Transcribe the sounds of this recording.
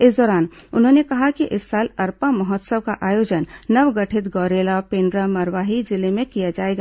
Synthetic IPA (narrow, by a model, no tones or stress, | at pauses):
esd̪ɔːɾaːnʊnɦõnekɐɦakiʔɪsːaːlɐɾpãmɐɦɔt̪səʋkaʔaːjoːd͡ʒənnəʋɡəʈʰɪt̪ɡɔːɾeːlapẽːɳɖɾamɐɾʋaːɦid͡ʒɪlemẽkijad͡ʒaːeːɡa